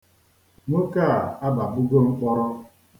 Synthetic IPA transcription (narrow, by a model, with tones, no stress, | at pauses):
ŋo˦ka˦˨a˦ba˨bʊ˦ɡo˦ŋ͡m̩˦k͡pɔ˦ɾɔ˦